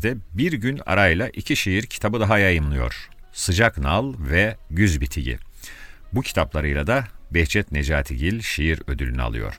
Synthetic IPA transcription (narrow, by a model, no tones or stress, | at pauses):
d̪ɛbiɾɟyna̰ɾajlˠaʔicʰiʃejiɾcʰi̥t̪ʰabɯd̪aɦajajɯmlˠɯjo̞̰ɾ̥ | sɯd͡ʒaknalˠvɛɟyzbit̪ʰiɟḭ | bucʰi̥t̪ʰaplˠaɾɯjlˠad̪abɛht͡ʃʰɛt̪ned͡ʒaːt̪ʰiɟilʲʃejiɾø̞d̪ylʲynya̰lˠɯ̰jo̞̰ɾ̥